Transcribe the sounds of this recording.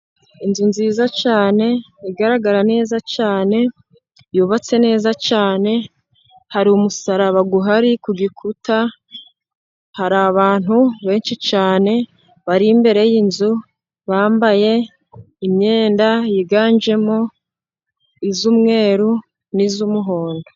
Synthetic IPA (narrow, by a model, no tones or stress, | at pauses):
inzunziːzat͡ʃaːne̞ | iɡaɾaɡaɾane̞ːzat͡ʃaːne̞ | juβat͡se̞ne̞ːzat͡ʃaːne̞ | haɾiumusaɾaβaɡuɦaɾikuɡikʰuta | haɾaβaːn̥huβe̞ːnʃit͡ʃaːne̞ | βaɾimbe̞ɾe̞jinzu | βaːmbaje̞ | imɲe̞ːndajiɡaːnd͡ʒe̞mo | izumŋe̞ːɾu | nizumuɦoːndo